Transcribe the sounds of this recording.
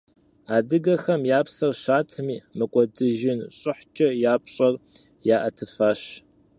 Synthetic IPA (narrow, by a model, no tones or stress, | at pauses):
aːdɨɡɐxɐmjaːpsɐrɕaːtʰɨmiːmɨkʷʼɔdɨʒɪnɕʼɪħt͡ʃʼɐjaːpʰɕʼɐr | jaːʔɐtʰɨfaːɕ